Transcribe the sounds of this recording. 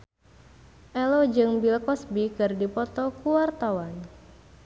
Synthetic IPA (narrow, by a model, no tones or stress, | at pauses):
ʔɛlod͡ʒɨŋbilkɔsbikɨrdipɔt̪ɔkuwart̪awan